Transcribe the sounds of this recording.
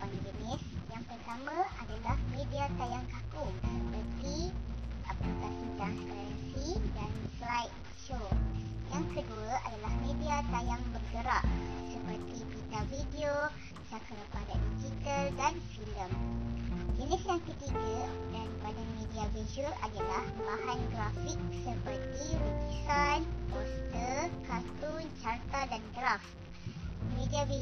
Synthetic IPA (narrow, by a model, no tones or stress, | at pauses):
panad͡ʒənɪ̃sjaŋpərt̪amãadalahmẽdiat̪ajaŋkakusəpərt̪i | aplikasint̪askɾasidanslajt̪̚ | ʃojaŋkəduaa̰dalahmẽdiat̪ajaŋbəkəɾaʔsəpərt̪ibit̪avidio | t͡ʃakaɾpadadid͡ʒit̪əldanfiləm | jinisjaŋkət̪iɡədanpadamẽdiavizuəladalahbaɦanɡɾafik̚səpərt̪iɾut̪isanpost̪əkat̪unt͡ʃart̪adanɡɾaf | mẽdiavi